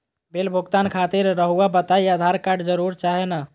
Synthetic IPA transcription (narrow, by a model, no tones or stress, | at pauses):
belbʱuɡt̪ankʰat̪iɾːəɦuabət̪aiad̪ʱaɾkaɖd͡ʒəɾuɾt͡ʃaɦena